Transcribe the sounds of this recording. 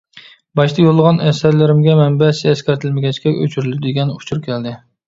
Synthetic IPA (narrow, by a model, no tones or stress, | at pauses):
bɑʃt̪ʰɑjolˠːəʁɑnɛsæɾlɪɾɪmɡʲɛmɛnbɛsɪɛskʲæɾt̪ʰɪlmɪɡʲɛt͡ʃkʲɛø̰t͡ʃʰyɾylɪd̪ɪɡʲɛnut͡ʃʰuɾkʲʰɛld̪ɪ